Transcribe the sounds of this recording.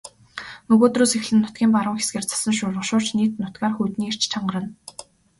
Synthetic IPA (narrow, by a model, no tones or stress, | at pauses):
nɵɣoːt̪ruːsex̆ɮɘ̆nːʊt̪ɡʲiːmpaɾʊːŋxe̥sɡeːrt͡sʰḁsə̆nʃʊɮʁə̆ʃʊːrt͡ɕniːt̪nʊt̪ɡaːrxujt̪niːer̥t͡ɕt͡ɕʰaɴɢə̆ɾə̆n